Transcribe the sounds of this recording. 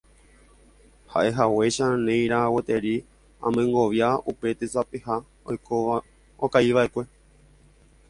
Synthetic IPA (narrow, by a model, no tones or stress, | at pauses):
ha̰ʔe̞ɦawe̞ʃanẽj̃ɾawet̪e̞ɾi | ã̰mẽŋɡo̞ʋjaupe̞t̪esapeha | ojko | okaiʋaʔekʷe̞